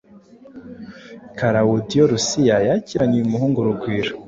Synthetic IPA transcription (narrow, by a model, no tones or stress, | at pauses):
kaɾawudijoɾusijajaciɾaɲiumuɦuːŋɡuɾuɡwiːɾḁ